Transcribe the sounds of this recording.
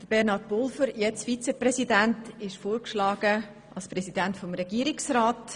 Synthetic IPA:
d̥əb̥ɛɾnɑɾtbʊlfəɾjɛt͡sfit͡sɛprɛsidæntɪʃfoːɾkʃlɑːɡ̥ə | ɑlspɾɛsidæntfɔmɾɛɡ̥iːəɾɪksɾaːt

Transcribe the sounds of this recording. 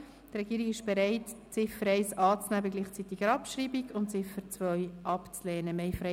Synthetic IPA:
drɛɡ̥iːɾiɡɪʃb̥ɛɾaɪtt͡sɪfəɾɛɪsɑːt͡snæbəɡliːχt͡sit̪iɡ̥əɾɑpʃriːbiɡʊntt͡sɪfəɾt͡svœʏʔɑpt͡slɛːnəmɛɪfɾɛ

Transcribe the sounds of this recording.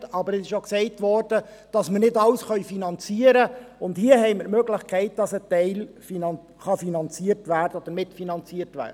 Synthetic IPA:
ɑbəɾɛsɪʃjoksɛɪtʋɔrd̥ə | d̥ɑsməɾnɪdɑlsχœʏfinɑnt͡siəɾəʊndhiːəɦɛɪməɾmøːɡlɪχkʰɛɪt̚d̥ɑsətɛɪlfinɑ | χɑfinɑnt͡siərtʋæːrdəɔd̥̪əɾmɪtfinɑnt͡siːərtʋæ̰ːdə

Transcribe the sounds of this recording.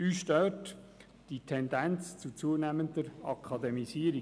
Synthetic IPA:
yʃtœt | d̥itʰɛndænt͡st͡sut͡suənæmənd̪əɾɑkʰɑdemisiːəɾi

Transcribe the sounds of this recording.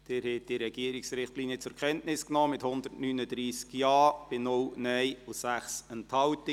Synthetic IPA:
d̥ɪɾhɛt̚d̥iɾɛɡiəɾɪksɾɪχtliːnjət͡sʊɾkʰɛntnɪsknɔːmɪthʊnd̪ətnyːnəd̪ɾiːskjɑːb̥ɪnʊlnɛɪʊsæχsənthɑwtɪ

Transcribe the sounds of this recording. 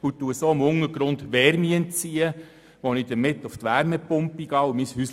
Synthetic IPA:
utːuəsoːɪmʊŋəɾɡ̥ɾʊndʋɛɾmiənt͡siːə | ʋonid̥əɾmɪtʊftʋæɾməpʊmpiɡ̥ɑːʊmishyːs

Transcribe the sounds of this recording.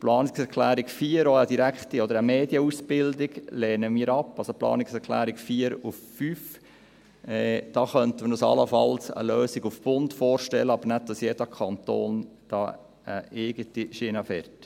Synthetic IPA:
plɑːnɪksɛɾkʰlæːɾikfiːəɾoədiɾækχt̪iɔd̪əɾəmeːdjəusb̥ɪld̪ɪɡleːnəmiːəɾɑpːɑlsoplɑ̰ːnɪksɛɾkʰlæ̰ːɾikfiːəɾuffyːf | ɛːd̥ɑːχœnt̪əməɾusɑ̰ləfɑlsə̰løːsiɡufb̥ʊntfoːrʃtɛlːəɑbəɾnæd̚d̥ɑsjɛd̥əkʰɑnt̪o̰ːnd̥ɑː | əʔɪɡətiʃɪnɑfɛɾt

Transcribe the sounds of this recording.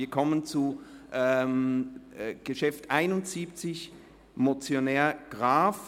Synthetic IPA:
iːɐkʰɔmənt͡suʔɛm | ɡ̥əʃɛftʔaɪnʊntz̥iːpt͡sɪç | mot͡sjonɛːɐɡ̥ʁaːf

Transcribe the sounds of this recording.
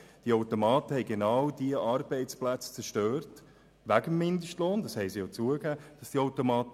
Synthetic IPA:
d̥iəoʊtomɑːtəhɛɪɡenawdiəʔɑrb̥ɛɪt͡splæt͡st͡sɛʃtøːrt | væɡəmːɪndəʃtloːndɑshɛɪsijot͡suəɡæːd̥ɑsd̥iaʊtomɑːt

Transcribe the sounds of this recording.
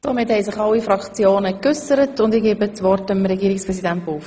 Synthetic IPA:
d̥omɪthɛɪsɪχɑlːifɾɑkt͡sjoːnəkʏsəɾətʊndiɡeːbət͡sʋɔrtəmɾɛɡiːɾɪkspʁɾɛsidænt̚buːf

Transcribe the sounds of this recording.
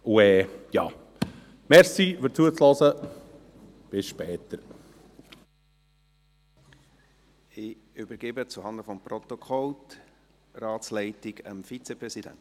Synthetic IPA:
uɛːjɑ̰ː | mɛɾsifəɾt͡suət͡slɔsə | b̥ɪsʃpɛːt̪əɾ | ɪʏbəɾɡ̥ebət͡suhɑndəfɔmprɔt̪ɔkʰɔlt | rɑːtt͡slɛɪtɪɡəmfit͡sɛpɾɛsidæ̰nt

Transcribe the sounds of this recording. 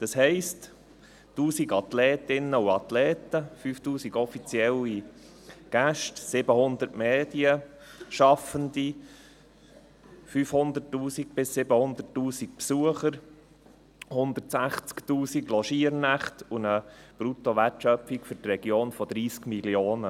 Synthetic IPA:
d̪̥ɑshɛɪst | tuːsiɡɑt̪lɛːt̪ɪnəuɑt̪lɛːtəfyːftuːsiɡɔfit͡siɛli | ɡ̥æʃtsɪbəhʊnd̪əɾtmeːd̥iəʃɑfənd̪i | fyːfhʊnd̪əɾtːuːsiɡbɪsːɪbəhʊnd̪ətːuːsik̚psuəχəɾ | hʊnd̪ətsæχt͡sktuːsiɡlɔʃiəɾnæχtunəb̥ɾut̪oʋætʃœpikfʏɾtrɛɡjoːnfɔd̪ɾiːskmiljoːnə

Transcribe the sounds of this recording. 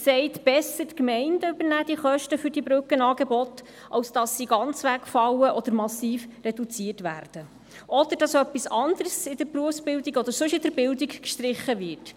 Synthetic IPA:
sɛɪtb̥ɛsːətkmɛɪndəʉbəɾnæːd̥̪iχœʃtəfʏɾdibɾɵkːənɑːɡ̥ɛbɔt̪ | ʔɑwsd̥ɑsːiɡɑnt͡sʋækfɑwəʔɔd̪əɾmɑsiːfrɛd̥ut͡siːətʋæːɾd̥ə | ʔɔd̥̪əɾd̥ɑsœpːisɑnd̪əɾsɪd̥̪əɾpɾuəfsbɪldiɡɔd̪əɾsʉʃɪd̥əɾbɪldikkʃt̪ɾɪχːəvɪrt

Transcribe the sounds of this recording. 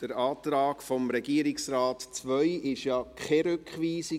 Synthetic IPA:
d̥əɾɑːtɾɑːkfɔmɾɛɡiːəɾɪksraːtt͡sʋœjɪʃjɑkʰχɛɾʉkχʋiːsi

